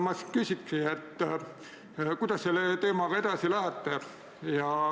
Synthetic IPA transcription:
mɑskysʲiksiet̪ˑː | kujd̪̥ɑsːelːet̪e̞ːmɑɡ̥ɑe̞d̪̥ɑsilæɦæt̪ˑːe | jɑ

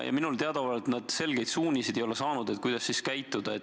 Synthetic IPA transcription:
jɑ̰minult̪eɑd̪̥ɑvɑlet̪nɑd̪̥se̞lɡ̥e̞jd̪̥suːnʲised̪e̞jo̞le̞sɑːnud̪̥e̞t̪̚kujd̪̥ɑsːiskæjt̪ːˑud̪̥ɑe

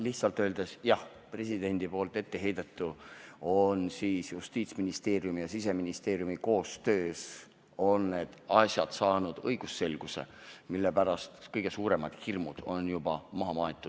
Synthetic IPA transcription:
liht̪sɑlt̪ø̞ːld̪̥esjɑh | pre̞sid̪e̞nʲd̪̥ipo̞ːlt̪ːˑe̞t̪ːe̞ɦe̞jd̪̥ɑt̪ːˑuonsiːsjust̪iːt̪sminist̪e̞ːɾjumijɑsis̬e̞minist̪e̞ːɾjumiko̞ːst̪ø̞ːs | o̞nːe̞d̪̥ɑsjɑd̪̥sɑːnud̪̥ɤjɡ̥usːe̞lɡ̥use̞̰milːe̞pæɾɑst̪kɤjɡ̥e̞suːɾe̞mɑd̪̥hirmud̪̥o̞njub̥ɑmɑɦɑmɑːet̪ːˑu̥

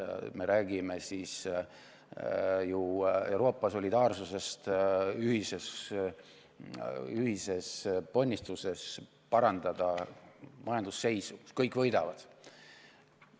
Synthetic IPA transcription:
me̞ɾæːɡ̥ime̞sis | jue̞wɾo̞ːpːˑɑso̞lʲid̪̥ɑːrsuse̞st̪yɦise̞s | yɦise̞spo̞nʲːist̪use̞s | pɑɾɑnd̪̥ɑd̪̥ɑ | mɑjɑnd̪̥usːe̞jsukskɤjkːˑvɤ̞jd̪ɑvɑd̪̥

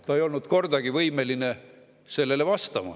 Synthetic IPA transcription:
t̪ɑejo̞lnud̪̥ko̞rd̪̥ɑɡ̥ivɤjmeline | se̞lːe̞le̞vɑst̪ɑmɑ̰

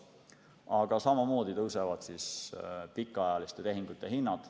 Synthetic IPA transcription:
ɑɡ̥ɑsɑmɑmo̞ːd̪it̪ɤwsevɑd̪̥sispikːˑɑjɑlist̪e̞t̪e̞ɦiŋɡ̥ut̪ːˑe̞ɦinːɑd̪̥

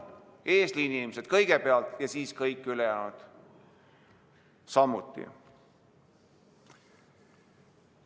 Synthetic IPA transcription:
eːsliinʲːimese̞d̪̥kɤjɡ̥epeɑlt̪jɑsiːskɤjkːˑylejæːnud̪̥ | sɑmːut̪ːˑḭ

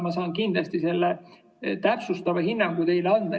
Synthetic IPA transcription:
mɑsɑːnkind̪lɑst̪ise̞lːe | t̪æpsust̪ɑvehinːɑŋɡ̥ut̪e̞jlɑnd̪̥ɑ

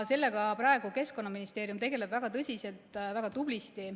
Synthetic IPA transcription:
se̞lːeɡ̥ɑprɑe̞ɡ̥uke̞sko̞nːɑminist̪e̞ːɾijumt̪e̞ɡe̞le̞b̥væɡ̥ɑt̪ɤsʲise̞lt̪ˑvæɡ̥ɑt̪ub̥list̪i

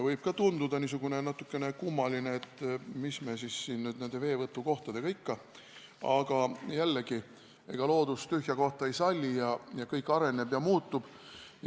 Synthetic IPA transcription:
vɤjb̥̚kɑt̪und̪ud̪̥ɑnisuɡ̥une̞nɑt̪ːˑukːe̞ne̞kumːɑlineet̪ːˑmismesisːiːnnyːd̪̥ne̞nd̪̥e̞ve̞ːvɤt̪ːˑuko̞ht̪ɑd̪e̞ɡɑikːɑ | ɑɡ̥ɑjælːeɡ̥i | e̞̰ɡ̥ɑlo̞ːd̪̥ust̪yɦjɑko̞ht̪ˑɑejsɑlʲːijɑjɑkɤjkːˑɑɾe̞ne̞b̥jɑmuːt̪ːˑub̥ | j

